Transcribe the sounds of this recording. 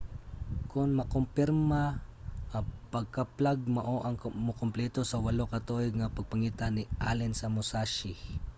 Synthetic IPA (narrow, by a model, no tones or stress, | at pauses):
kʊnmɐkʊmpɪɾmaʔɐpɐɡ̚kɐplaɡ̚mɐʔoʔɐŋmʊkʊmplɛt̪osɐwɐlokɐt̪oɪŋɐpɐɡ̚pɐŋiːt̪anɪʔa̰lɪnsɐmʊsaʃɪ